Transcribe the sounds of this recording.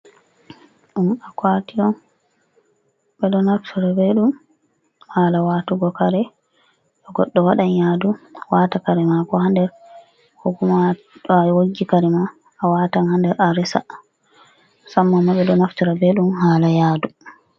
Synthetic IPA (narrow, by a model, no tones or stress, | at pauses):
ɗumakwatiɔn | bɛɗɔnaftʰuɾabeɗum | haːlawatuɡɔkaɾɛ | ɗɔɡɔɗːɔwaɗaɲjaduwatakaɾɛmakɔhandɛɾ | huɡuma | woɡːikaɾɛmaː | waːtanhandɛɾʔaɾɛsa̰ | samːamːaɓɛɗɔnaftuɾabeɗumhaːlajaːdu